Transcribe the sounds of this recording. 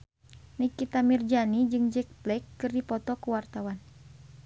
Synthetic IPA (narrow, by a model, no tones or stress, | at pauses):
nikit̪amird͡ʒanid͡ʒɨŋd͡ʒɛk̚blɛkːɨrdipɔt̪ɔkuwart̪awan